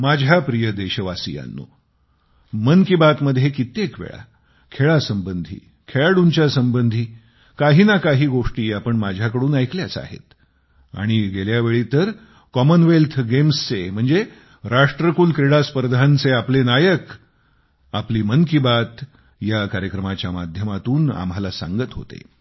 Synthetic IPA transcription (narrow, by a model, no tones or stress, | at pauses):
mad͡ʑʱjapɾijəd̪eɕəʋasḭja̰nːo̰ | mənkibat̪məd̪ʱjekit̪ekʋḛɭa̰ | kʰeɭasəmbənd̪ʱḭː | kʰeɭaɽuɲt͡ɕjasəmbənd̪ʱiː | kaɦiːnakaɦiːɡoʂʈiːapəɳmad͡ʑʱjakəɽuːnajkljat͡sa̰ɦḛt̪ | a̰ɽ̃iɡeljaʋeɭiːt̪əɾ | kɔmənʋelt̪ʰɡemst͡sem̤əɳd͡ze | ɾaʂʈɾəkuːlkɾeɽaspəɾd̪ʱant͡seaplenajək | apliːmənkibat̪ | jakaɾjəkɾəmat͡ɕjama̰d̪ʱjəmat̪uːna̰mɦalasã̰ŋɡət̪ɦo̰t̪ḛ